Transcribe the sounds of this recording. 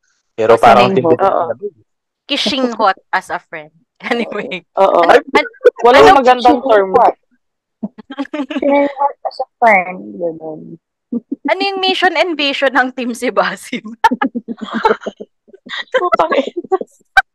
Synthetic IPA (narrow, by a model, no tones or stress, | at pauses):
pɛːɾopaːɾɐŋt̪ɪmoːʔo̰ | kɪʃɪŋhot̪̚ɐsɐfɹɛnd̪̚kɛnɪwɛʔoːʔoɐwɐlaŋmɐɡɐnd̪ɐŋt̪ɛɹmat̚ | ɐɐsɐfɹɛnɡɐnon | ɐnojʊŋmiʃonɛnviːʃonɐŋt̪imsɪbaːsɪf | ut̪ɐŋɛ